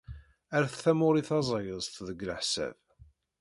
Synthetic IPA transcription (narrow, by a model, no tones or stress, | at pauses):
æɾθθæmʊɾiθɑzˤɑjəzˤt̪ðəɡləħsæ̰v